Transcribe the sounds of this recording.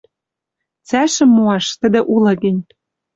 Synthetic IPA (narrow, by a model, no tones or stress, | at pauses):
t͡sæʃɘ̆mːuɑʃt̪ə̆d̪ĕʔulɤ̆ɡɘ̆nʲ